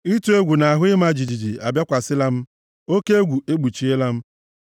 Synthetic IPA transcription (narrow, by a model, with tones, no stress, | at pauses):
i˦tu˦e˦ɡʷu˨na˨ɦʊ˦ɪ˦ma˦˨d͡ʒi˨d͡ʒi˨d͡ʒi˨a˨bja˦kʷa˨sɪ˦la˦m̩˦ | o˦ke˦e˦ɡʷu˨ʔe˦ɡ͡bu˨t͡ʃi˨e˦la˦m̩˦